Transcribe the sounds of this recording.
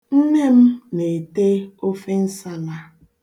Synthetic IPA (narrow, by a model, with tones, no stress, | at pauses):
n̩˦ne˦m̩˦ne˨te˦o˦fe˦n̩˦sa˦la˦